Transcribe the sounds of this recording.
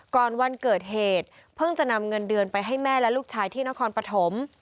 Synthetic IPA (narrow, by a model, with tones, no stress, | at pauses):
kɔː˨˩nwa˧nkɤː˨˩t̪̚heː˨˩t̪̚ | pʰɤ˥˩ŋt͡ɕa˨˩na˧mŋɤ˧ndɯ˧ənpa˧jɦa˥˩jmɛː˥˩lɛ˦˥luː˥˩k̚t͡ɕʰaː˧jt̪ʰiː˥˩na˦˥kʰɔː˧npɾa˧t̪ʰo˩˦m